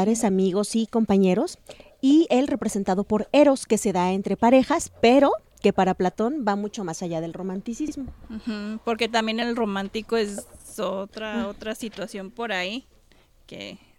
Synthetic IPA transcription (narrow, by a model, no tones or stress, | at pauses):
ɾesamiɣosiko̞mpaɲe̞ɾo̞s | ie̞lre̞pɾe̞se̞nt̪að̞opo̞ɾe̞ɾo̞ske̞se̞ðaent̪ɾe̞paɾe̞xaspe̞ɾo̞ | ke̞paɾaplat̪o̞nbamut͡ʃo̞masaʝað̞e̞lro̞mãnt̪isizmo̞m̩h̩po̞ɾke̞t̪ambje̞nelro̞mãnt̪ikoesot̪ɾaot̪ɾasit̪wasjo̞mpo̞ɾai | kḛ